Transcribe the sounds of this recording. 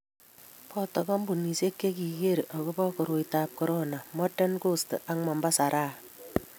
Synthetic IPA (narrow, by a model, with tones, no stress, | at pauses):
pɔ˦tɔ˨kɔ˦mbu˨ni˨se˦kːe˦ki˨ɡe˦ɾʔɔ˨kɔ˦bɔ˦kɔ˨ɾo˨jtaː˨p̚kɔ˦ɾona˨mɔ˦tɛ˦nko˦stḛ˨ʔa˦ŋmɔ˨mba˦sa˨ɾʔaː˦